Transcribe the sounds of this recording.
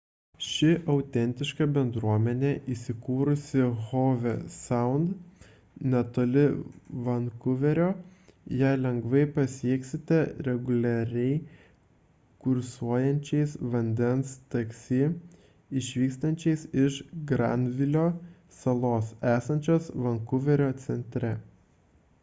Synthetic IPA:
ʃʲɪʔɐʊt̪ʲɛnʲt̪ʲɪʃkɐbʲɛnd̪ɾuɔmʲɛnʲeːʔiːsʲɪkuːɾʊsʲɪɣoːʋʲɛsɐʊnd̪ | nʲɛt̪oːlʲɪʋɐnkʊʋʲɛɾʲoːjæɪlʲɛŋɡʋɐɪpɐsʲiɛksʲɪt̪ʲɛɾʲɛɡʊlʲɛɾʲɛɪ | kʊɾsuɔjɛnʲt͡ʃʲɛɪsʋɐnʲd̪ʲɛnst̪ɐksʲiː | ɪʃʲʋʲiːkst̪ɐnʲt͡ʃʲɛɪsɪʃɡɾɑ̰ːnʲʋʲɪlʲoː | sɐlˠoːsæːsɐnʲt͡ʃʲoːsʋɐŋkʊʋʲɛɾʲoːt̪sʲɛnʲt̪ʲɾʲɛ

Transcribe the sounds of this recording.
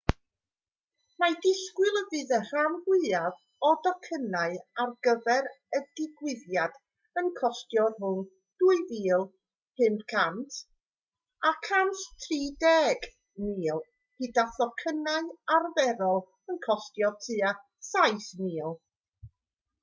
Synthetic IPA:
madɪskwɪlˠəvɨːðər̥anhwɪav | ɔdɔkʰənaɨarɡəvɛɾ | ədɪɡwɪðjad̥ | ənkʰɔstjɔrɦʊn | d̥uːɨviːlˠ | hɨndkʰantʰ | akʰanɬtʰriːdɛːɡ | niːlˠ | hidaθɔkʰənaɨarvɛɾɔlˠ | ənkʰɔstjɔtʰɨa | sajθmiːlˠ

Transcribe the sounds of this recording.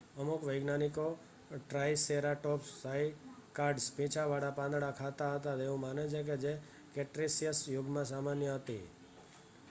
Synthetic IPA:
əmukʋəjɡnaniko | ʈɾajseɾaʈɔpsaikaɾɖspĩt͡ʃʰaʋaɽapãnd̪ɽakʰat̪aɦət̪at̪eũmanet͡ʃʰek̬ed͡ʒe | keʈɾisijəsjʊɡmãsamanjəɦət̪ḭ

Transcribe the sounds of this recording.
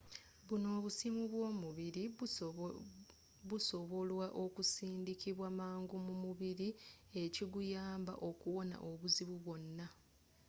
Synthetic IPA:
βuno̞ːβusimuβwo̞ːmuβiɾi | βuso̞βo̞lwaʔo̞kusiːndikiβwamaːŋɡumumuβiɾie̞ciɡujaːmba̰ʔo̞kuwo̞na̰ʔo̞βuziβuβwo̞nːa

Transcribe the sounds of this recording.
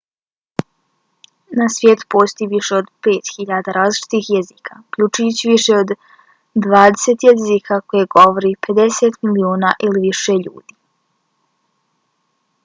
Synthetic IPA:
nasʋjeːt̪u̥po̞ːst̪ojiʋiʃeod̪pe̞ːt̪xiʎaːd̪aɾaːzlit͡ʃi̥t̪ixjeziːkʰaukʎut͡ʃujut͡ɕiʋiʃeod̪ | d̪ʋaːd̪eset̪jezikʰako̞jeɡo̞ʋoɾipʰe̞d̪eseːt̪milioːnaʔiliʋiʃe̞ʎṵːd̪̥i

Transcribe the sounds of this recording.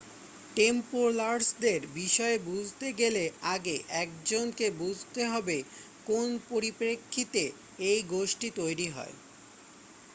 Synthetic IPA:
ʈempoɾlaɾsd̪eɾbiʃɔebud͡ʑʱt̪eɡeleaɡeʔɛk̚d͡ʑonkebud͡ʑʱt̪eɦɔbe | konpoɾipɾekʰːit̪e | ejɡoʃʈit̪ojɾiɦɔ̰e

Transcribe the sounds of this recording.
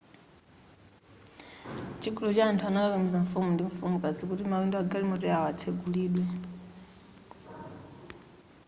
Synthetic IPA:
t͡ʃiɡulɔt͡ʃaːntʰuanakakamizaɱ̩fumundiɱfumukʼad͡zʰikutimawindɔaɡalimɔtɔjaɔatʰeɡuliːɗwɛ

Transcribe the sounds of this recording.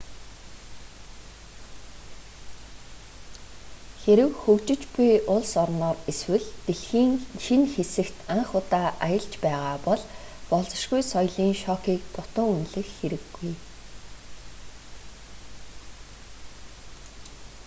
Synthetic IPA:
xeɾɘ̆wxɵkt͡ɕɪ̆t͡ɕpujʊɮsɔrnɔːreswɘ̆ɮt̪eɮxiːŋʃinxesɘ̆kt̪aɴχʊt̪aːʔajə̆ɮt͡ɕpæːʁaːpɔɮ | pɔɮt͡sɞ̆ʃɡujsɔjɮiːŋʃɔːkiːk̚t̪ʰʊt̪ə̆ŋunɮɘ̆xːeɾɘ̆ɡːuj

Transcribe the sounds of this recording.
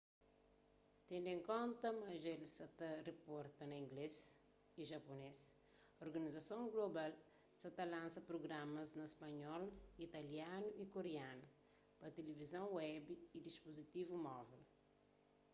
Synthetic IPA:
t̪ẽnd̪ẽŋkõnt̪ɐmɐʒelsɐt̪ɐrepɔɾt̪ɐnɐĩŋɡles | iʒɐpones | oɾɡɐnizɐsõŋɡlobal | sɐt̪ɐlãnsɐpɾoɡɾamɐznɐespɐɲɔlit̪ɐljanuʔikoɾeanɐ | pɐt̪elivizɐ̃w̃wɛbiid̪ispuzit̪ivumɔvel

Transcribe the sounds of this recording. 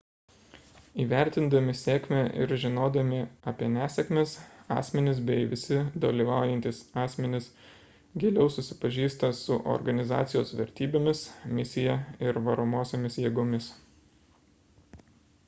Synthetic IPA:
iːʋʲæˑɾʲt̪ʲɪnd̪ɐmʲɪsʲeːkmʲeʔɪ̰ɾʒʲɪnoːd̪ɐmʲɪɐpʲiɛnʲæːsʲɛkmʲeːsɑ̰ːsʲmʲɛnʲɪs̬bʲɛɪʋʲɪsʲɪd̪ɐlʲiʋɑˑʊjɛnʲt̪ʲɪsɑːsʲmʲɛnʲɪs | ɡʲeːlʲɛʊsʊsʲɪ̥pɐʒʲiːst̪ɐsʊʔɔ̰ɾɡɐnʲɪzɑ̰ːt̪sʲɪjo̰ːsʋʲɛɾʲt̪ʲiːbʲeːmʲɪsmʲɪsʲɪjɛɪɾʋɐɾoːmoːsʲemʲɪsjeːɡoːmʲɪs

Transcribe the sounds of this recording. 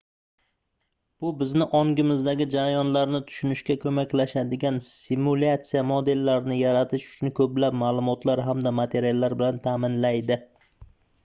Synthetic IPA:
b̥ʊbɪznɪʔɒŋɡʲɪmɪzd̪aɡʲɪd͡ʒaɾajɒnlaɾnɪt̪ʰʊ̥ʃʊnɪʃkʲakʰɵmakʲlaʃad̪ɪɡʲansɪmulʲat̪sijamod̪e̞lːaɾnɪjaɾat̪ʰɪʃʊ̥t͡ʃʰʊnkʰɵplapmaːlˠʊmɒt̪ʰlaɾɦamd̪amat̪ʰe̞ɾijalˠːaɾbɪlant̪ʰaːmɪnlajd̪ɪ

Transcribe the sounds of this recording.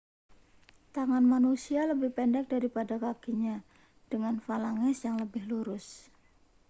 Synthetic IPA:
t̪aŋanmanusialəbɪhpɛndɛk̚daɾipadakaɡiɲa | d̥əŋanfalaŋɛsjaŋləbɪhluɾʊs

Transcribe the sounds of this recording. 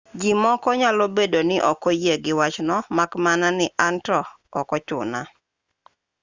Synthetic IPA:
d͡ʒimɔkɔɲalɔbedonɪʔɔkɔjeɡɪwat͡ʃnɔmakmananɪʔantɔː | kɔt͡ʃʊ̰na

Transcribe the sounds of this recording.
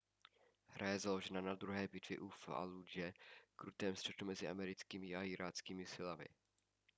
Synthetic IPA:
hɾʔajɛzalo̞ʒɛnanad̪ɾuɦɛːbɪt̪vɪ̰ʔufa̰lud͡ʒɛkɾut̪ɛːmst̪r̥ɛt̪umɛzɪʔa̰mɛɾɪt͡skiːmɪaɪɾʔaːt͡skiːmɪsɪlamɪ̰

